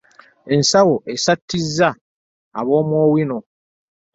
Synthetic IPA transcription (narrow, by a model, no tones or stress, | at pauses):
e̞nsawoʔesatʰːizːaː | βo̞ːmwoːwino̞